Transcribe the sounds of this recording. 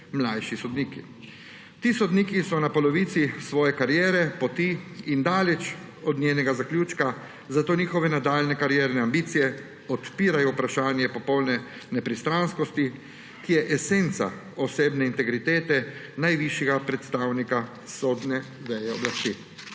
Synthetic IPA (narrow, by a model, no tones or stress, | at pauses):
mlajʃisɔd̪niːkḭ | t̪iːsɔd̪nikisɔnapɔlɔʋiːt̪sisʋɔːjɛkaɾjɛːɾɛpɔt̪iind̪aːlɛt͡ʃ | ɔd̪nʲeːnɛɡazaklʲjuːt͡ʃka | zat̪oːniːxɔʋɛnad̪aːlnɛkaɾjɛːɾnɛambiːt̪sijɛ | ɔt̪piːɾajɔwpɾaʃaːnjɛpɔpɔwlnɛ | nɛpɾist̪ɾanskɔst̪i | kijɛʔɛsent̪sa̰ | ɔseːbnɛint̪ɛɡɾit̪eːt̪ɛ | najʋiʃjɛɡapɾɛt̪st̪aːwnika | sod̪nɛ | d̪ɛjɛɔ̰blast̪iː